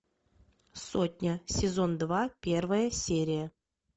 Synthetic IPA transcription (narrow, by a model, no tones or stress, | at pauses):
sot̪ʲnʲəsʲɪzo̞nd̪vapʲervəjəsʲeɾʲijə